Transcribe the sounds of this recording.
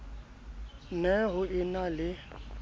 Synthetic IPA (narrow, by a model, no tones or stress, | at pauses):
nɛɣʊɪnalɪ